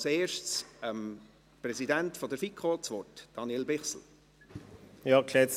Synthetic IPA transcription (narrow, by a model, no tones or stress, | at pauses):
seːʃtt͡səm | prɛsidæntfɔd̪əɾfikχot͡sʋɔtd̥ɑnjɛlbɪχsl̩ | jɑkʰlɛs